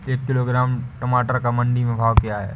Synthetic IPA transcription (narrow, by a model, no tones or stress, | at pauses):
eːkːɪloɡɾaːmʈɐmaːʈəɾkamɐ̃ɳɖimẽbʱaːʋkijaɦɛ̰ː